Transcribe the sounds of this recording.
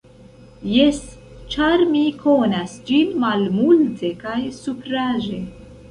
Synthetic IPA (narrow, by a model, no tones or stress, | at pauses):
jes | t͡ʃaɾmikʰonasd͡ʒinmalmultʰe̞kajsupɾaʒe̞